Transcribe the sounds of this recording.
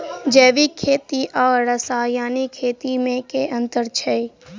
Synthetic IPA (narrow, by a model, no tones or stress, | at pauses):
d͡ʒɛːʋikʰːeːt̪iʔɔːɾəsaːjaːnikʰeːt̪imẽkeʔə̃nt̪əɾt͡ʃʰɛi